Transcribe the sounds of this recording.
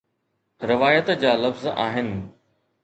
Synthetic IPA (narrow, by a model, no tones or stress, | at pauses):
ɾɪʋaːjət̪d͡ʑaːlɐfza̰ːɦɪnɪ̆